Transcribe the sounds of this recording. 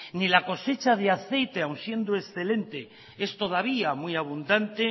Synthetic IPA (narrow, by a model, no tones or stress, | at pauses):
nilako̞se̞t͡ʃað̞eaθe̞jt̪e̞awnsje̞nd̪oe̞sθe̞lẽ̞nt̪e̞ | e̞st̪o̞ð̞aβ̞iamwuiaβ̞und̪ant̪e